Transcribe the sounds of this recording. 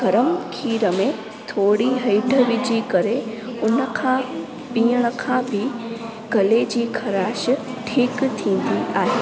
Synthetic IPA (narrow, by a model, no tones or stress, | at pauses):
ɡɐɾəmkʰiːɾəmẽ | t̪ʰoːɽiɦɐɪɖʱəʋid͡ʑikɐɾeʊnəkʰã | piːəɽ̃əkʰãbʱɪ | ɡ̥ɐled͡ʑiːkʰɐɾaːʃʈʰiːkt̪ʰĩːn̆d̪iʔaːɦeː